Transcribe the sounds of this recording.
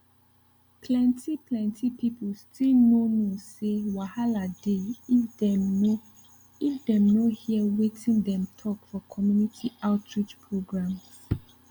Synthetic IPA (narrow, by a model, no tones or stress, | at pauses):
pʰlɛ̃ntʰiplɛ̃ntʰipipulstʰilnonosewahaladeifdɛmno | ifdɛ̃mnohiəwetʰĩndɛ̃mtʰɔkfɔkʰɔmjunitʰiʔaʊtʰɹit͡ʃpʰɹoɡɹãms